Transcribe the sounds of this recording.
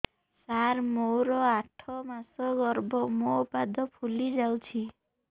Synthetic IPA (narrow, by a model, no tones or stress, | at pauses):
saɾmowɾɔaʈʰɔmasɔɡɔɾbɔmoupad̪ʱɔpʰulid͡ʒawt͡ʃʰi